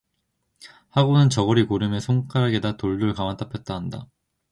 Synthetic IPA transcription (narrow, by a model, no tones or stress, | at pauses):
haɡonɯnt͡ɕʌɡʌɾikoɾɯmesʰoŋk͈ʰaɾɦaɡe̞datoɭduɭkamant͈apʰjʌt̚t͈aɦanda̰